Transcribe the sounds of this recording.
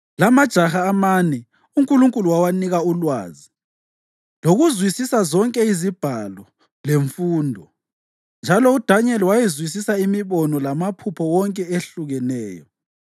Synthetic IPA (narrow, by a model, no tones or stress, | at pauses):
lamad̥ʒ̥ʱaxaːmanɛ | uŋkʼuluŋkʼuluwawaniɣaulwa̰ːzi | loɣuzwisisazɔŋkʼɛizib̥ʱalɔ | leɱfuːndʱɔ | nd͡ʒʱalɔud̥ʱaɲɛliwajɛzwis̬isaimiβɔnɔlamapʰupʰɔwɔŋkʼɛeɬuɣɛnɛːjɔ